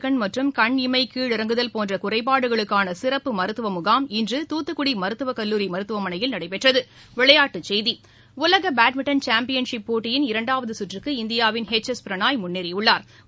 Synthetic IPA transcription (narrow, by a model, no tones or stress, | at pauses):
kɐɳmɐʈrɯmkɐɳɪmɐɪkiːɭɪɾɐŋɡɯðɐlpoːndrɐkʊrɐɪpːaːɽɯɣɐɭɯkːaːnɐsɪɾɐpːɯmɐɾɯt̪ːɯʋɐmʊɣaːmɪndrɯt̪uːt̪ːɯkːʊɽimɐɾɯt̪ːɯʋɐkɐlːuːɾimɐɾɯt̪ːɯʋɐmɐnɐjɪlnɐɽɐɪpɛʈrɐðɯ | ʋɪɭɐjaːʈːɯt͡ʃɛjði | ʊlɐɣɐbaːʈmɪʈːɐnt͡ʃaːmpɪjɐnʂɪpːoːʈːɪjɪnɪɾɐɳɖaːʋɐðɯsʊʈrɯkːɯɪnd̪ɪjaːʋɪnɦɛt͡ʃːɐspɪɾɐnaːjmʊnːiɾɪʊɭːaːɾ